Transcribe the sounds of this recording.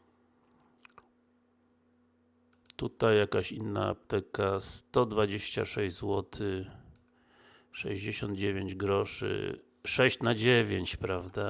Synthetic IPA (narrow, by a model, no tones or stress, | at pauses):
t̪ut̪ajːakaɕinːa̰a̰p̚t̪ɛkast̪ɔd̪vad͡ʑeɕt͡ɕa̰ʂɛjzwɔt̪ʰɘ | ʂɛ̰ʑd͡ʑeɕɔnd̪̚d͡ʑevʲeɲd͡ʑɡɾɔʂɘ̰ | ʂɛɕt͡ɕnad͡ʑevʲjeɲt͡ɕpɾavd̪a